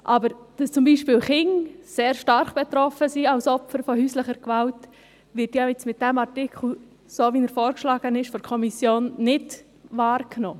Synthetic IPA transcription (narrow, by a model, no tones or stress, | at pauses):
ʔɑbəɾd̥ɑst͡sʊmbiːʃpiːlχɪŋseːɾʃtɑɾχb̥ɛt̪ɾɔfəsiɑʊsɔpfəɾfɔhyːsləχəɾkʋalt | ʋɪɾtjaɪt͡smɪt̚d̥ɛmɑrtɪkχl̩ | soːʋinəɾfɔːɾkʃlɑːɡ̥ənɪʃfɔɾkʰɔmisjoːnnɪd | ʋɑːɾknoː